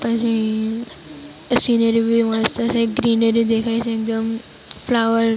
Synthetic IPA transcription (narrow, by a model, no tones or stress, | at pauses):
pəsi | sinəɾibiʋast̪əseɡɾiːnɖəɾid̪ekʰajt͡ɕeek̚d̪əm | flaʋəɾ